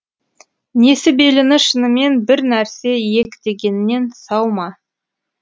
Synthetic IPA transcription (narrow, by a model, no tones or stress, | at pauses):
ne̞sɪbe̞lɪnɪʃənəme̞nbɪɾnæɾse̞je̞kʲd̪̥e̞ɡʲe̞nɪne̞nsɑwmɑ